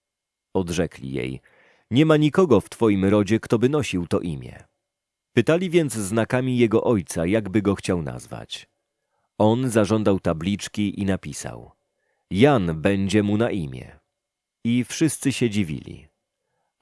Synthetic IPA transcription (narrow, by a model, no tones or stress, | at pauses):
ɔd̪ʐɛklʲḭjḛj | ɲɛmaɲikɔɡɔft̪fɔjimɾɔd͡ʑɛkt̪ɔbɘnɔɕiwt̪ɔʔimʲjɛ̰ | pɘt̪alʲivʲjɛnd̪zznakamʲijɛɡɔʔɔjt̪sajaɡbɘɡɔxt͡ɕawna̰zva̰t͡ɕ | ɔnzaʐɔnd̪awt̪ablʲit͡ʂkʲiʔinapʲisa̰w | janbɛɲd͡ʑɛmunaʔimʲjɛ̰ | ifʂɘst̪sɘɕɛd͡ʑivʲḭlʲḭ